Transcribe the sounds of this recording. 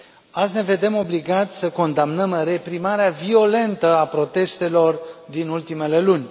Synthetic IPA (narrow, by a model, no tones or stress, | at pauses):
at̪zʲne̞ve̞d̪e̞mo̞bliɡat̪sʲsəko̞nd̪amnəmre̞pɾimaɾeavio̞le̞nt̪əapɾo̞t̪e̞st̪e̞lo̞rd̪inult̪ime̞le̞lunʲ